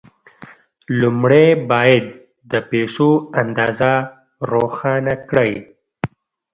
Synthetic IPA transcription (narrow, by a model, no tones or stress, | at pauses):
lʊmɽebɑːjad̪̚ː | əpeʂoand̪ɑːza | ɾoxɑnakɽaj